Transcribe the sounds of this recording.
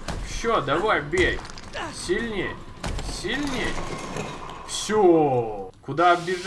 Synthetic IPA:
fsʲod̪ɐvajbʲej | sʲilʲnʲej | sʲilʲnʲej | fsʲo | kʊd̪aɐbʲɪʐ

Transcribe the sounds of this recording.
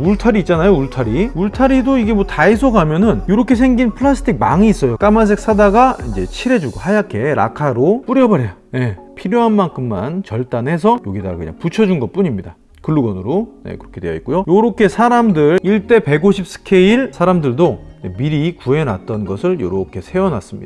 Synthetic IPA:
uɭtʰaɾiːt̚t͡ɕ͈anajouɭtʰaɾiuɭtʰaɾidoiɡe̞mwʌtais̬ʰoɡamjʌnɯnjoɾʌkʰe̞sʰe̞ŋɡinpʰɯɭasʰɯ̥tʰik̚maŋiːs͈ʌjok͈amas̬ʰe̞k̚s͈adaɡaind͡ʑe̞t͡ɕʰiɾe̞d͡ʑuɡohajakʰe̞ɾa̰kʰaɾop͈uɾjʌbʌɾejane̞pʰiɾjoɦanmaŋkʰɯmːa̰nt͡ɕʌɭt͈anhe̞s̬ʰʌjoɡidaɡakɯ̰ɲa̰ŋput͡ɕʰʌd͡ʑunɡʌt̚p͈uɲimɲida | kɯɭːuɡʌnɯɾone̞̰kɯɾʌkʰe̞dwejʌ̰ik͈ojojoɾʌkʰe̞sʰaɾamdɯɭiɭt͈e̞pe̞ɡoɕʰip̚s͈ʰɯ̥kʰe̞iɭsʰaɾamdɯɭdonḛmiɾikue̞na̰t̚t͈ʌnɡʌsʰɯɭjo̰ɾʌkʰe̞sʰe̞ʌna̰s͈ɯmɲid̥a

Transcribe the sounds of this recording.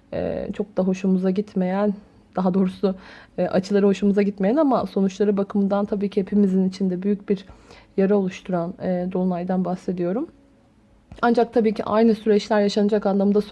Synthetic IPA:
ɛ̰ːt͡ʃʰo̞k̚d̪aɦo̞ʃumuzaɟit̪me̞jæn | d̪̥aɦad̪o̞ːɾusʊʔat͡ʃʰɯlˠaɾɯho̞ʃumuzaɟit̪mejænamaso̞nut͡ʃlˠaɾɯbakʰɯmɯnd̪ant̪ʰabiːcʰihe̞pʰimizinit͡ʃʰind̪ɛbyjyc̚biɾjaɾao̞lˠuʃt̪ʰuɾanɛːd̪olˠnˠajd̪anbahse̞d̪ijo̞ɾum | and͡ʒak̚t̪ʰabiːcʰḭʔa̰jnɯsyɾɛt͡ʃlʲæɾjaʃanɯd͡ʒakanlˠamd̪as

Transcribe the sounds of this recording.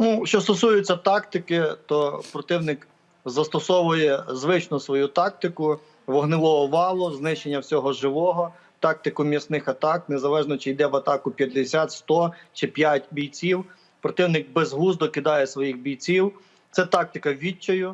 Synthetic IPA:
nuʃt͡ʃɔst̪ɔsujʊt͡sʲːɐt̪ɑkt̪ɪkɪt̪ɔpɾɔt̪ɪwnɪk | zɐst̪ɔsɔʋʊjɛzʋɪt͡ʃnʊsʋɔjut̪ɑk̚t̪ɪkʊ | ʋɔɦnɪlˠɔɦɔʋɑlˠʊznɪʃenʲːɐwsʲɔɦɔʒɪʋɔɦɔ | t̪ɑk̚t̪ɪkʊmʲisnɪxɐt̪ɑk̚nezɐlˠɛʒnɔt͡ʃɪjd̪ɛʋɐt̪ɑkʊpʲjɐd̪d̪ɪsʲat̪st̪ɔt͡ʃɪpʲjatʲbʲijt͡sʲiw | pɾɔt̪ɪwnɪk̚bɛzɦuzd̪ɔkɪd̪ɑjɛsʋɔjixbʲijt͡sʲiw | t̪sɛt̪ɑk̚t̪ɪkɐʋʲit͡ʃːɔjʊ

